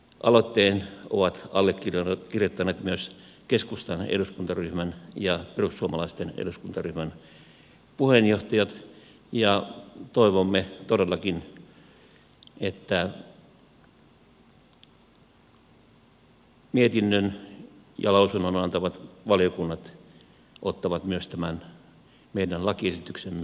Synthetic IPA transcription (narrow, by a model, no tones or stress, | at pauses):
ʔɑlot̪ːeːnoʋɑt̪ɑlːekːirjkirjot̪ːɑneːt̪myøs | keskust̪ɑnḛduskunt̪ɑryhmænjɑperussuomɑlɑist̪enḛduskunt̪ɑryhmæn | puhenjoht̪ɑjɑt̪ | jɑt̪oiʋomːet̪odelːɑkin | et̪ːæ | miet̪inːønjɑ̰lɑusunːonɑnt̪ɑʋɑt̪ʋɑljokunːɑt̪ | ʔot̪ːɑʋɑt̪myøst̪æmæn | meidænlɑkiesit̪yksemːe